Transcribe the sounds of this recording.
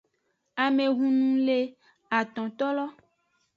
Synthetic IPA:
a˨me˨ɣũ˨nũ˦le˦ | a˨t̪ɔ̃˨t̪ɔ˦lɔ˦

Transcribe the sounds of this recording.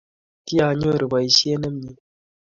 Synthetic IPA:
ti˦a˨ɲo˦˨ɾi˨ba˨i˨ʃi˦e˦nə˦m˦ɲi˨

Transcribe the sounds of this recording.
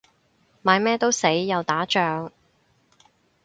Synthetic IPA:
maː˨˧jmɛː˥t̪o˥wse˨˥jːɐ˨˧wt̪aː˨˥t͡ʃœː˨˧ŋ

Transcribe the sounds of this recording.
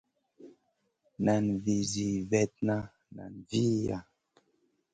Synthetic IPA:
na˨nvi˨zi˨vɛ˦t̚na˦ | na̰˨nvi˦ja˨

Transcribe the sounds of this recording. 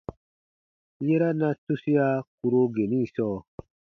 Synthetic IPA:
je˦ɾa˦na˧tu˦si˦ja˦ku˧ɾo˧ɡe˨ni˦˨sɔː˦

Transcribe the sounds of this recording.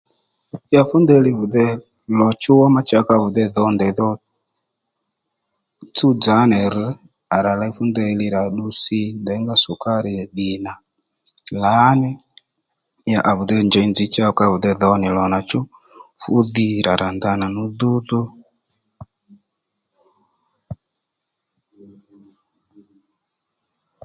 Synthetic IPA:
a˨fu˦ndɛ˦li˦vu˨ðɛ˦ | lɔ˨t͡ʃu˦wa˦ma˦t͡ʃa˦ka˦vu˨ðɛ˦ðɔ˦ndɛ˨ðɔ˦ | t͡su˦d͡za˨˦nɛ˨ɾ | a˨ɾa˨la˦i˦fu˦ndɛ˧li˦ɾa˨ɗu˦si˦ndɛ˨˦ŋɡa˦su˨ka˦ɾi˨ɗi˨na˨ | la˨˦nɛ˦ | ja˨ʔa˨βu˨ðɛ˦˨nd͡ʒɔ˨˦i˦nd͡zi˨˦t͡ʃa˦˨ka˦βu˨ðɛ˦ðɔ˨˦ɔ˦nɛ˨lɔ˨na˨t͡ʃɔ˦ | fu˦ði˦ɾa˨ɾʔa˨nda˦na˨nu˦ðu˦ðu˦

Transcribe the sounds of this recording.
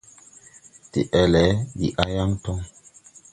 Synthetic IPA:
ti˨ʔɛ˨lɛ˨˦bḭ˨ʔa˦ja˦ŋtɔ˦ŋ

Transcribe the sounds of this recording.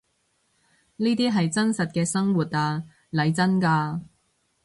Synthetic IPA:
niː˥t̪iː˥ɦɐ˨jt͡sɐ˥nsɐ˨t̚kɛː˧sɐ˥ŋwuː˨˩t̚aː˧ | lɐ˨˧jt͡sɐ˥nkaː˧

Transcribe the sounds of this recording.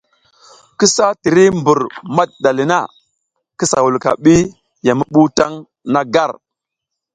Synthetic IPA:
ki˦sa˦ti˨ɾi˦mbu˨ɾma˦t̚ɗa˨li˨na˦˨ | ki˦sa̰˨wu˨lka̰˨ɓi˦ | ja˨mə˦ɓu˦ta˦ŋ | na˦ɡa˦˨ɾ

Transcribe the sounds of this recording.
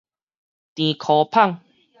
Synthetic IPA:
t̪ĩ˨kʰɔ˨˦pʰa˥˨ŋ

